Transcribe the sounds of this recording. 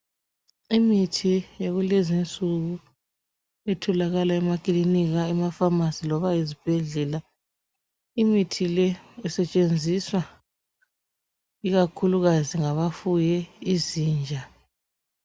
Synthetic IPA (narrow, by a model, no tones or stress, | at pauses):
imitʰijaɣulezint͡sʼuɣu | ɛtʰɔlaɣalaɛmakʼliniɣaɛmafamasilɔβajizib̥ʱɛɮɛla | imitʰilɛɛsɛt͡ʃʼend͡zʱiswa | iɣakʰuluɣaziŋaβafujɛiziːnd͡ʒʱa